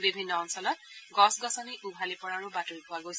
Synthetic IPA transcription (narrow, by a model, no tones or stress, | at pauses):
bibʱinːɔːnsɔlɔt | ɡɔsɡɔsɔniʔubʱalipɔɹaɹʊbatuɹipʊaɡojs